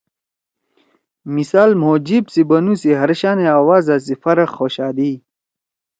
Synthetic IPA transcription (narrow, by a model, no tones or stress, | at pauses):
misaːlmoːd͡ʑibsibɐnusiɦɐɾɕaːneaːwaːzaːs̬ifɐɾɐqːoːɕaːd̪i